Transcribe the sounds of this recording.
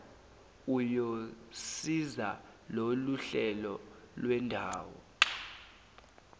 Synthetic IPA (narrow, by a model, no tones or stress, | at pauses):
ujosizaloluɬɛlɔ | lwɛndʱaːwɔ̰